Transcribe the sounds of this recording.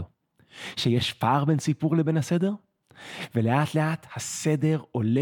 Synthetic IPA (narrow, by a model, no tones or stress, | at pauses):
o | ʃejeʃfaʁbensipuʁlebe̞nhasede̞ʁ | veleaːt̪leaːthase̞deʁole